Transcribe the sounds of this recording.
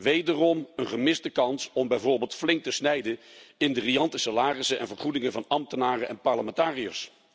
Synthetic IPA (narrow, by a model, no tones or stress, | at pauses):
ʋejdərɔmənχəmɪzdəkɑnsɔmbɛjvoːɹbeːlˠtflɪŋk̚təsnɛjdənɪndəriɑntəsalaːrɪsəʔɛ̰nvəɹχudɪŋəvɑnɑmtənaːrəɛnpɑɹləmɛntaːrijəs